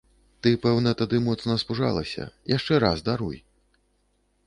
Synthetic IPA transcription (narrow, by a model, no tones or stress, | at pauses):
t̪ɨpɛwnɐt̪ad̪ɨmɔt̪snɐspuʐa̰lˠɐ̰sʲɐ̰jaʂt͡ʂɛɾazd̪aɾuj